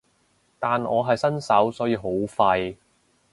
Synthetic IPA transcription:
t̪aː˨nɔː˨˧ɦɐ˨jsɐ˥nsɐ˨˥wsɔː˨˥jiː˧ɦo˨˥wfɐ˧j

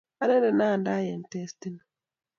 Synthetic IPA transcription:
a˨ɾɛ˦dɛ˨na˦˨nda˦jɛ˨n̩˨tɛ˦sti˦na˨

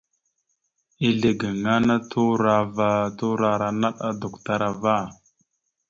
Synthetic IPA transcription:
i˦ɮe˨ɡə˨ŋa˦na˦tʰu˦ɾa˦va˦tu˦ɾa˨ɾa˨na˦ɗa˦do˨kta˦ɾa˨va˦˨

